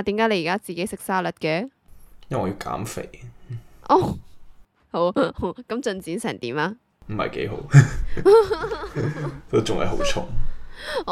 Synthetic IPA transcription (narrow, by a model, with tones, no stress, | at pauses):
t̪iː˨˥kaː˨˥le˨˧jːkaː˥t͡siː˨ke˨˥jsɪ˨k̚saː˥lɐ˨˥t̚kɛː˧˥jɐ˥ɔː˨˧jiː˧wka̰ː˨˥mfḛ˨˩jʔɔː˧˩ | ho˨˥who˨˥wkɐ˥mt͡sɵ˧nt͡siː˨˥nsɛː˨˩t̪iː˨˥maː˧ | m̩˨˩mɐ̰˨jke˨˥jɦo̰˨˥w | t̪o˥t͡sʊ˨ŋhɐ̰˨jɦo̰˨˧˥wt͡ʃʰʊ̰˨˥ŋ